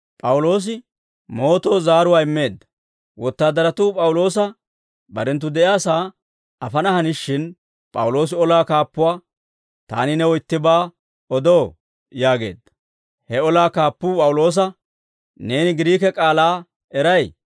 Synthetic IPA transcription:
pʼɐwʊlo̞ːs̬ɪ | mo̞ːt̪o̞ːzaːɾʊwaːɪmːe̞ːd̪ːɐ̥ | wɔt̪ːaːd̪ɐɾɐt̪uːpʼɐwʊlo̞ːs̬ɐ | bɐɾɛnt̪̬ːʊd̪ɛʔjaːsaː | ɐfɐnɐhɐnɪʃːɪn | pʼɐwʊlo̞ːs̬ɪɔlaːkaːpːʊwaː | t̪a̰ːnɪnɛɔjt̪ːɪbaː | ɔd̪oː | jaːɡe̞̰ːd̪ːɐ̥ | hɛɔlaːkaːpːʊpʼɐwʊlo̞ːs̬ɐ | ne̞ːnɪɡɪɾiːkɛkʼaːlaː | ɛɾɐj

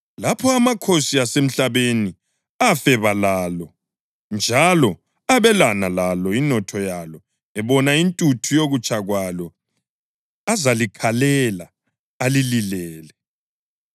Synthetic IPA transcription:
lapʰɔamakʰosiasem̩ɬaβeni | afɛβalalɔ | nd͡ʒʱalɔ | aβɛlanalalɔinɔtʰɔjalɔ | ɛβɔnaintʼutʰujoɣut͡ʃʼaɣwalɔ | azalikʰalɛla | alililɛːlɛ

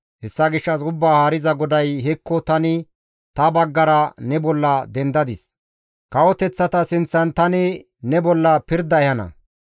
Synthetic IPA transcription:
hɛsːɐɡɪʃːɐs̬ʊbːaːhaːɾɪzɐɡɔd̪ɐjɦɛkːɔt̪ɐnɪ | t̪ɐbɐɡːɐɾɐnɛbɔlːɐd̪ɛnd̪ɐd̪ɪs | kɐwɔt̪ɛt͡sːɐt̪ɐsɪnt͡sːɐnt̪ɐnɪ | nɛbɔlːɐpɪɾd̪ɐɛhɐnɐ̰

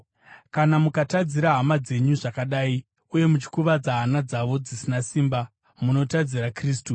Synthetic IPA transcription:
kanamukatad͡ziɾaɦamad͡ze̞ɲuʐakaɗaːi | uje̞mut͡ʃi̥kuʋad͡zaɦːnad͡zaʋo̞d͡zisinasiːmba | muno̞tad͡ziɾakriːstu

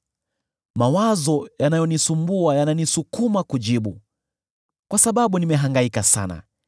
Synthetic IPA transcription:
mawazɔjanajɔnisumbuajananisukumakuʄiɓu | kwasaɓaɓunimɛɦaŋɡaikasana̰

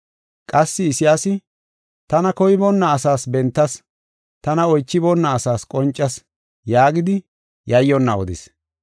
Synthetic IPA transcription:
kʼɐsːɪɪsɪjaːsɪ | t̪ɐnɐkɔjbɔnːɐːsaːsbɛnt̪ːɐs | t̪ɐnɐɔjt͡ʃːɪbɔnːɐːsaːskʼɔnt͡ʃʼːɐs | jaːɡɪd̪ɪ | jɐjːɔnːɐɔ̰d̪ɪ̰s

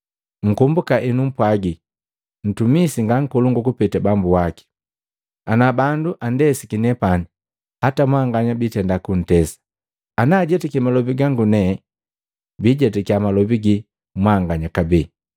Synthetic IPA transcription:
ŋ̩kumbukaʔinum̩pwaɡi | n̩tumisiŋɡaŋ̩kɔluŋɡukupɛtɛbambuwaki̥ | anabanduʔandɛsikinɛpani | hatamwaŋɡaɲabitɛndakun̩tɛsḁ | anaːɟɛtɛkimalɔbiɡaŋɡunɛ | biɟɛtɛkiamalɔbiɡi | mwaŋɡaɲakabɛ

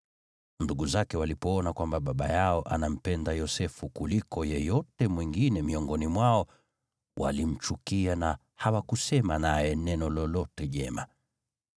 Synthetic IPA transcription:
nduɡuzakɛwalipɔɔnakwambaɓaɓajaɔʔanam̩pɛndajɔsɛfukulikɔjɛjɔtɛmwiŋɡinɛmiɔŋɡɔnimwaɔ | wʔa̰lim̩t͡ʃukiana | hawakusɛmanajɛnɛnɔlɔlɔtɛʄɛma

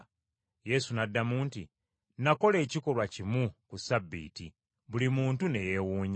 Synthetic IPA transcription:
je̞sunadːamuːnti | nako̞le̞ːciko̞lwacimukusabːḭːti | βulimuːntune̞je̞wuːɲa

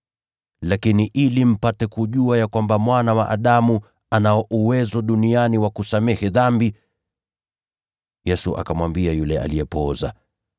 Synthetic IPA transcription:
lakiniʔilim̩patɛkuʄuajakwambamwanawaʔaɗamu | anaɔʔuwɛzɔɗunianiwakusamɛhɛðambi | jɛsuʔa̰kamwambiajulɛa̰lijɛpɔza̰

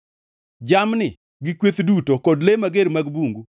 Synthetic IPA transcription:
d͡ʒamnɪ | ɡɪkwet̪dutokɔdlemaɡeɾmaɡbuŋɡu

